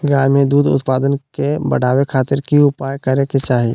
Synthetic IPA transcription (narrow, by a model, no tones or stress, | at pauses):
ɡaːmed̪uːd̪ʊ̰t̪paːd̪ənkebə̰ɽaːwekʰaːt̪ɪɾkiʊpaːjkəɾeket͡ʃaːɦie